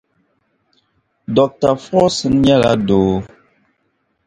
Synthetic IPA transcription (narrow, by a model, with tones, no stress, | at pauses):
dɔ˨k̚ta˨fɔ˦sɨ˦n˦ɲa˦la̰˦doː˨